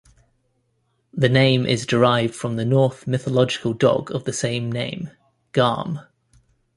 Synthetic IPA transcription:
ðənẽɪ̃mʔɪ̰zdɪɹaɪvd̥fɹə̃mðənɔˑθmɪθəlɒd͡ʒɪkʰəlˠdɒ̰ɡəvðəsẽɪ̃mnẽɪ̃m | ɡ̥ɑ̰ːm

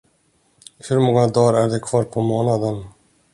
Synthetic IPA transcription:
hɵɾmɔŋːad̪ɑːɾæɾd̪ɛkʰvɑːɾpʰɔmoːnad̪ən

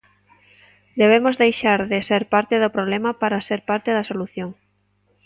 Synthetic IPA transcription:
d̪eβ̞emozðejʃaɾðɪseɾpaɾt̪ɪðopɾoβlemɐpaɾaseɾpaɾt̪ɪðɐsoluθjoŋ

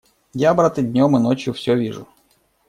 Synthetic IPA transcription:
jabɾat̪ɨdʲnʲomɨnot͡ɕjʊfsʲovʲiʐʊ̰

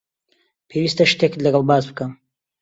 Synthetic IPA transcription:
pʰewiːst̪ɐʃt̪ekɨlɐɡɐlˠbaːzbɨkɐm

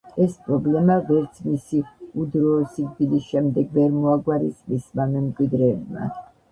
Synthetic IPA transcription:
ɛspʼɾɔblɛmavɛɾt̪sʰmisiud̪ɾɔːsiɡ̚d̪ilisʃɛmd̪ɛɡvɛɾmɔaɡwaɾisʼmismamɛmkʼwid̪ɾɛːbma̰

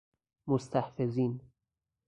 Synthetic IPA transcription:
most̪ʰæhfeziːn

